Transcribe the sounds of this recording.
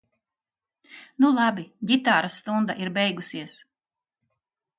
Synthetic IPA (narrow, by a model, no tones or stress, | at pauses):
nulˠɑbʲiɡʲit̪aːɾast̪und̪aʔiɾbɛjɡusiɛs